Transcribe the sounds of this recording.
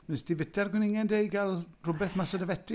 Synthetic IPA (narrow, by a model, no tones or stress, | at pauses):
nɛsdivɪtʰɛrɡwɛnɪŋɛndejɡalˠrʊbɛθmasədavɛtʰɪ